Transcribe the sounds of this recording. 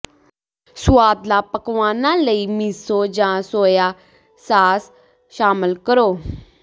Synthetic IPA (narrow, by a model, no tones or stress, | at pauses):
sʊaːd̪laːpəkʋaːnãːləiːmisoːd͡ʒãːsoːjaː | saːs | ʃaːmɪlkəɾoː